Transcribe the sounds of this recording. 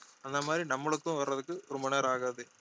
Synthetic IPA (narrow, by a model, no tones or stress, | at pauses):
ɐnd̪ɐmaːd̪ɾinɐmːɯɭɐk̪ːɯ̃ʋɐɾɾɐðɯkːɯɔɾʊmbɐneːɾaːɣaːðɯ